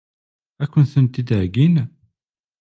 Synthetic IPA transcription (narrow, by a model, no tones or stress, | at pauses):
ækʷːənθənt̪id̪ʕɡin